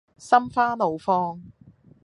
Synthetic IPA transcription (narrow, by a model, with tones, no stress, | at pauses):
sɐ˥mfaː˥lo˨˧wfɔː˥ŋ